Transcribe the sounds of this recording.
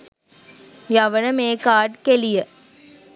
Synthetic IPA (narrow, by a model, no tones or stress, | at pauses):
jɐʋɐnɐmeːkaːɖkelɪjɐ